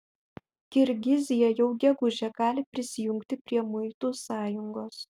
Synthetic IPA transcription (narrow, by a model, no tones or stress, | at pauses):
kʲɪɾʲɡʲɪzʲɪjɛjɛʊɡʲɛɡʊʒʲɛɡɑːlʲɪpʲɾʲɪsʲɪjʊŋʲkt̪ʲɪpʲɾʲiɛmʊɪt̪uːsɑːjʊŋɡoːs